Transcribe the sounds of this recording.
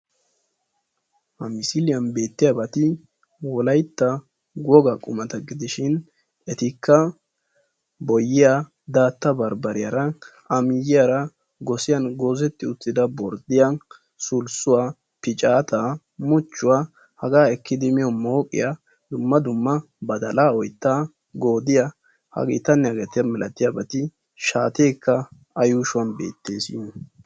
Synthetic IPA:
hɐmɪsilɪjɐnbe̞ːt̪ːɪjabɐt̪ɪ | wɔlɐjt̪ːɐ | ɡɔɡɐkʼʊmɐt̪ɐɡɪd̪ɪʃɪn | ɛt̪ɪkʰːɐ | bɔjːɪja | d̪aːt̪ːɐbɐɾbɐɾɪjaɾɐʔɐmɪjɪjaɾɐ | ɡɔsɪjɐnɡo̞ːzɛt̪ːɪʊt͡sːɪd̪ɐbɔɾd̪ɪja | sʊlsʊwaː | pɪt͡ʃʼaːt̪aː | mʊt͡ʃːʊwaː | hɐɡaːɛkːɪd̪ɪmɪjɔmo̞ːkʼːɪ̰ja | d̪ʊmːɐd̪ʊmːɐ | bɐd̪ɐlaːɔjt̪ːaː | ɡo̞ːd̪ɪja | hɐ̰ɡḭːt̪ɐnːɛɐɡɛt̪ɪjɐmɪlʔɐt̪ɪjabɐt̪ɪ | ʃaːt̪eːkːɐ | ɐjuʃʊwɐnbḛːt̪ːe̞ːsɪ̰

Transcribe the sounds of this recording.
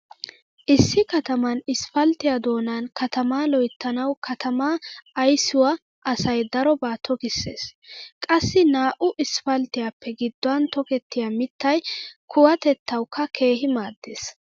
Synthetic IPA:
ʔɪsːɪkɐt̪ɐmɐnɪsfɐlt̪ɪjad̪o̞ːnaːnkɐt̪ɐmaːlɔjt̪ːɐnɐwkʰɐt̪ɐmaːjsʊwɐ | ʔɐsɐjd̪ɐɾɔbaːt̪ʰɔkɪsːḛːskʼɐsːɪnaːʔʊʔɪsfɐlt̪ɪjapːɛɡɪd̪ːʊɐnt̪ɔkɛt̪ːɪjamɪt̪ːɐjkʰʊwɐt̪ɛt̪ʰːɐwkʰːɐkʰe̞ːɦɪmaːd̪ːḛːs

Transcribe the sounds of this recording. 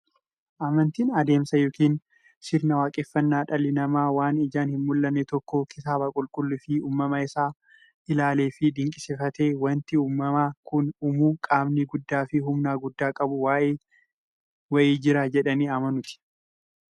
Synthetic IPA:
ʔaːmɐnt̪iːnɐd̪e̞ːmsɐjoːkiːn | sɪɾnɐwaːkʼɛfːɐnːaːᶑɐlːɪnɐmaːwaːnɪd͡ʒaːnhɪnmʊlːɐnːɛt̪ɔkːoːkɪt̪aːbɐkʼʊlkʼʊlːɪfɪuːmːɐmɐɪsaː | ɪlaːle̞ːfɪd̪ɪŋkʼɪsɪfɐt̪eːwɐnt̪ɪuːmːɐmaːkʊnʊmuːkʼaːmniɡʊd̪ːaːfɪɦʊmnaːɡʊd̪ːaːkʼɐbʊwaːʔeː | wɐʔiːd͡ʒɪɾad͡ʒɛᶑɐniːɐmɐnʊt̪ɪ̥

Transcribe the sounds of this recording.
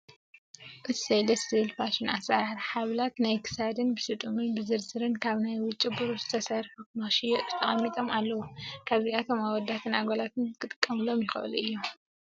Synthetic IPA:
ʔɨsejlɐst̪ʰilfaʃɪnʔasaɾaɾħaβlat̪najkʰɨ̥sad̪ɨnbɨsɨt̪ʼumɨnbɨzɨɾzɨɾɨnkʰaβnajwʊt͡ʃʼibɨɾuzɨt̪ʰɐsɐɾfukmɐʃijɛʔzɨ̥t̪ʰɐχʼɐmːit̪ʼo̞malːɐwukʰaβziat̪ʰo̞mawɔd̪ːat̪ʰɨnaɡolat̪ʰɨnkʰɨt̪ʼɨ̥kʼːɐmɨlo̞mjɪxɨ̰ʔɨ̰luʔɨ̰jːom

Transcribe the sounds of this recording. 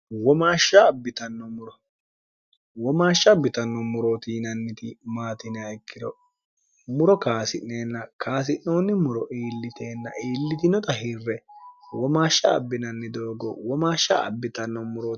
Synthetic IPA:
wɔmaːʃːaːbːɪt̪ɐnːɔmʊɾɔ | wɔmaːʃːɐbɪt̪ɐnːɔmʊɾoːt̪iːnɐnːɪt̪ɪmaːt̪ɪnɪɐɪkːɪd̪ɔ | mʊɾɔkaːsɪnːeːnːɐkʰaːs̬ɪnːoːnːɪmʊɾɔʔiːlːɪt̪e̞ːnːɐiːlːɪt̪ɪnɔt̪ɐɦɪrːɛwɔmaːʃːɐ̰ːbːɪnɐnːɪd̪oːɡɔwɔmaːʃːɐɐ̰bːɪt̪ɐnːɔmʊɾoː

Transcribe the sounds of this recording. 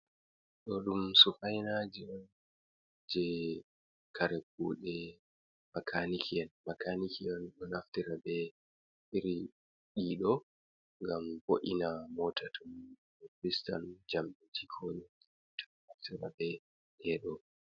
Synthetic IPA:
ɗɔɗumsufajnad͡ʒiɔn | d͡ʒɛ | kʰaɾɛɡ̚uːɗɛ | makʰanikʰiɛnmakʰanikʰiɔnɗɔnaftiɾabɛ | ʔiɾi | ɗiɗɔ | ŋɡamboʔḭnamɔtʰatʰum | ɛkɾista̰nd͡ʒamɗitʰikʰoːɲi | tʰɔ̥naftiɾa̰bɛ | ɗɛɗɔ

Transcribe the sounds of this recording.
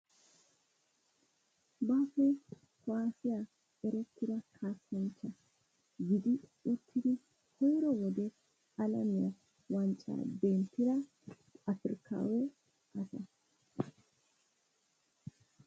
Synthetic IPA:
baːfe | kɔaːsɪja | ɛɾɛt̪ːɪɾɐkʰaːsɐnt͡ʃːɐ | ɡɪd̪iʊt̪ʰːɪɾɪ | hɔjɾɔwɔd̪e | ɐlɐmɪɐ | wɐnt͡ʃʼa̰ːbeːnt̪ɪɾɐ | ɐfɪɾkʰa̰ːwu | ʔɐsɐ

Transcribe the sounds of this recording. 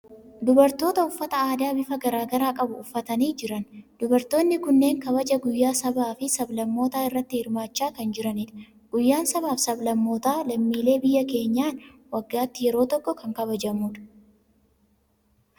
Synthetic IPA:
d̪ʊbɐɾt̪o̞ːt̪ɐʊfːɐt̪ɐaːd̪aːbɪfɐɡɐɾaːɡɐɾaːkʼɐbʊʊfːɐt̪ɐniːd͡ʒɪɾɐnd̪̥ʊbɐɾt̪oːnːɪkʊnːe̞ːŋkɐβɐd͡ʒɐɡʊjːaːsɐbaːfɪsɐblɐmːo̞ːt̪aːɪrːɐt̪ːɪhɪɾmaːt͡ʃːaːkɐnd͡ʒɪɾɐnɪᶑɐ̥ | ɡ̥ʊjːaːnsɐbaːfsɐblɐmːo̞ːt̪aːlɐmːiːle̞ːbɪjːɐke̞ːɲːaːnwɐɡːaːt̪ːɪjɛɾo̞ːt̪ɔkːɔkɐŋkɐβɐd͡ʒɐmuːᶑɐ̥

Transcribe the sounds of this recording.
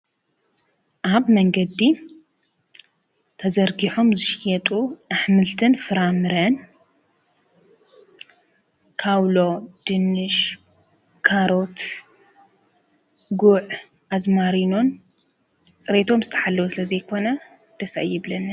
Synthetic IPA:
ʔaβmɐŋɡɐd̪ːi | t̪ʰɐzɐɾɡiħomzɨʃjɛt̪ʼuʔaħmɨlt̪ʰɨnfɨɾamɨɾɐn | kʰawlo̞d̪̥ɨnːɨʃ | kʰaɾo̞t̪ | ɡuʕ | azmaɾino̞n | t͡sʼɨɾet̪ʰo̞mzɨt̪ʰɐ̥ħalːɐwusɨlɐzɐjkʰo̞nɐ | d̪̥ɐsa̰ʔjɪβlɐnɨ

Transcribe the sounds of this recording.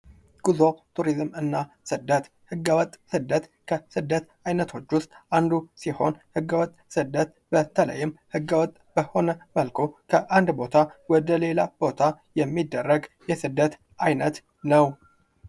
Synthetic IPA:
ɡ̥uzo̞t̪ʰuɾizmɨnːa | sɨd̪ːət̪ | hɨɡːəwɔt̪ʼsɨd̪ːət̪ | kʰəsɨd̪ːət̪ | ajnət̪ʰo̞t͡ʃːwʊst̪ʼand̪usiho̞nhɨɡːəwɔt̪ʼsɨd̪ːət̪ | b̥ət̪ʰələ̰jːɪmhɨɡːəwɔt̪ʼb̥əho̞nəməlkʰo̞kʰəʔand̪bo̞t̪ʰawɔd̪əle̞lab̥o̞t̪ʰajɛmːid̪ːərːəɡjɛsɨd̪ːət̪ | ajnət̪ | nəw

